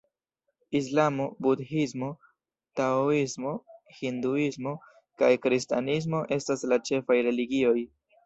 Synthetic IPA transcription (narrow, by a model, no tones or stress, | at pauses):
is̬lamobudhismo̞ | taoismo̞hinduismo̞ | kajkɾista̰nis̬mo̞ʔe̞staslat͡ʃe̞fajɾe̞liɡio̞j